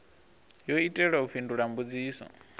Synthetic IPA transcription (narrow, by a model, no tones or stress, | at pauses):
joitʼɛɺauɸʰinduɺambud͡ziːsɔ̰